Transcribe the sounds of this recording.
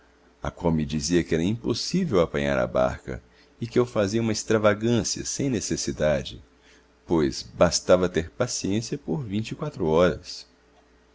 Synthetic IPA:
ɐ̰kwawmɪd͡ʒiziɐkɪɛɾɐĩposivewapɐ̃ɲa̰ɾɐ̰ba̰ɾkɐ̰ | ɪkɪewfaziɐũmɐest̪ɾavaɡɐ̃siɐ̰sẽj̃nesesid̪ad͡ʒɪ̰ | pojzbast̪avɐt̪eɾpasiẽsiɐpoɾvĩnt͡ʃikwat̪ɾuɔɾɐs

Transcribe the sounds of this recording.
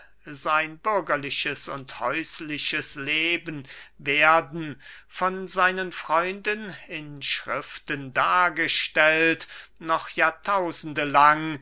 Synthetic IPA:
zaɪnbʏɐɡɐlɪʃəsʊnthɔʏslɪʃəsleːbənveːɐdn̩fɔnzaɪnənfʁ̥ɔʏndənɪnʃʁ̥ɪftəndaːɐɡəʃtɛltnɔχjaːtʰaʊzn̩dəlaŋ

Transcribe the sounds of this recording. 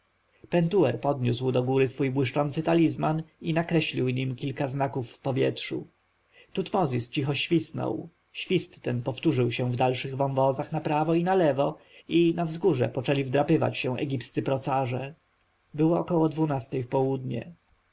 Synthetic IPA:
pɛnt̪uɛɾpɔd̪ɲuswd̪ɔɡuɾɘsfujbwɘʂt͡ʂɔnt̪sɘt̪alʲizmaninakɾɛɕlʲiwɲimkʲilkaznakufːpɔvʲjɛtʂṵ | t̪ut̪mɔzʲist͡ɕixɔɕfʲisnɔ̰w | ɕfʲist̪ːɛnpɔft̪uʐɘwɕɛ̃vd̪alʂɘɣvɔ̃wvɔzaxnapɾavɔinalɛvɔ | inavzɡuʐɛ̰pɔt͡ʂɛlʲivd̪ɾapɘva̰t͡ɕɕɛ̃ʔɛ̰ɡʲipst̪sɘpɾɔt̪saʐɛ | bɘwɔːkɔwɔd̪vunast̪ɛjfpɔwud̪ɲɛ̰

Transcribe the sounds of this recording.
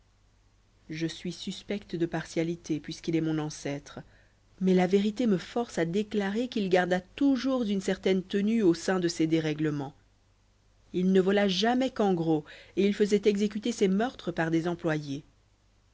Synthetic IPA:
ʒəsɥisyspɛkt̪d̪əpaʁsjalit̪ʰepɥiskilɛmɔ̃nɑ̃sɛt̪χ | mɛlaveʁit̪eməfɔʁsad̪eklaʁekilɡaʁd̪at̪uʒuʁzynsɛʁt̪ɛnt̪ənyosɛ̃d̪əsed̪eʁɛɡləmɑ̃ | ilnəvɔlaʒamɛkɑ̃ɡʁoeilfəzɛt̪ɛɡzek̬ʲyt̪esemœʁt̪χəpaʁd̪ezɑ̃plwaje

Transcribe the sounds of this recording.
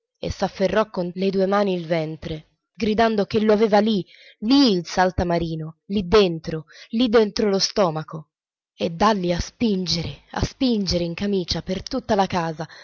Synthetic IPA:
ḛsːafːerːɔkːonled̪uːemaːniːlvɛnt̪ɾe | ɡɾid̪and̪ok̟elːoaveːvali | liːlsalt̪amaɾiːnolid̪ːent̪ɾolid̪ːent̪ɾolost̪ɔːmako | ed̪ːalːiaspind͡ʒeɾea̰spind͡ʒeɾeiŋkamiːt͡ʃapert̪ut̪ːalakaːza

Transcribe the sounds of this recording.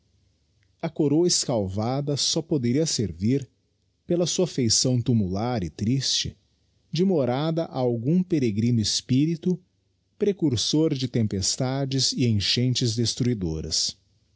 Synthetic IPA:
ɐkoɾoɐɪskawvad̪ɐsɔpod̪eɾiɐseɾviɾ | pelɐsuɐfejsɐ̃w̃t̪umulaɾɪt̪ɾist͡ʃɪ̰ | d͡ʒɪmoɾad̪ɐʔaawɡũpeɾeɡɾĩnʊɪspiɾit̪ʊ | pɾekuɾsoɾd͡ʒɪt̪ẽmpest̪ad͡ʒɪzɪẽʃẽnt͡ʃɪzd̪est̪ɾuid̪o̰ɾɐ̰s

